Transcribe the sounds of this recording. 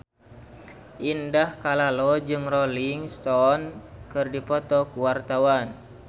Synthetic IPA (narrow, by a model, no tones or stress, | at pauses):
ʔindahkalalɔd͡ʒɨŋrɔliŋst̪ɔnkɨrdipɔt̪ɔkuwart̪awan